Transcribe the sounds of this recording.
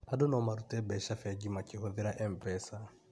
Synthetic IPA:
adonɔmaɾutɛbɛʃafɛd͡ʒimakɪhoðeɾaʔɛm̩pɛsa

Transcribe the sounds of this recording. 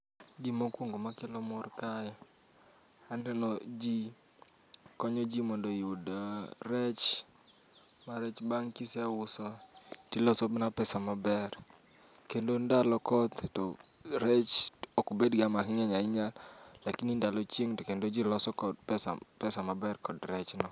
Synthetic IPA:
ɡimokwoŋɡomakɪlɔmɔrkajɔ | anɛnɔd͡ʒi | kɔɲɔd͡ʒimɔndoiodɾɛt͡ʃ | maɾɛt͡ʃbaŋkɪsɛwʊsɔtilɔsɔbɪnapɛsamabɛr | kendondalɔkɔd̪tɔɾɛt͡ʃokobedɡamakɪɲɛɲaɪɲallakinindalɔt͡ʃɪŋtɔkendod͡ʒilɔsɔkɔdpɛsa̰pɛsamabɛrkɔdɾɛt͡ʃnɔ

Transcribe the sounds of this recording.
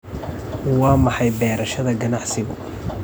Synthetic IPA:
wɑːmɑħɑjbɛːɾɐʃɐðɐɡɐnɑʕsɪɣʊ̰

